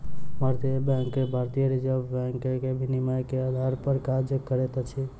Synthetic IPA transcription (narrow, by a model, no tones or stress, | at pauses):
mʱaɾt̪iəbjãŋkːebʱaɾt̪ijəɾid͡ʒəbãŋkkebʱinimajkead̪ʱaɾpəɾkad͡ʒkəɾet̪t͡ʃʰi